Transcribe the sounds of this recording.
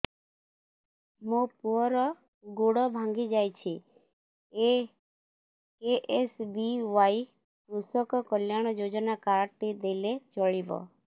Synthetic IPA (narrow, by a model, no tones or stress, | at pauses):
mũpuɔɾɔ | ɡoɽɔbʱãŋɡid͡ʒajt͡ʃʰi | e | keʔesbiʋai | kɾusɔkɔkɔljaɽ̃ɔd͡ʒod͡ʒɔnakaɾt̪id̪elet͡ʃɔɭibɔ̰